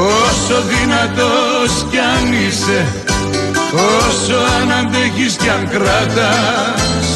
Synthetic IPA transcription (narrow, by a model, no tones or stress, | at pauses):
osoðinɐt̪oscɐnise | osoɐnɐnd̪eçiscɐŋkɾɐt̪ɐ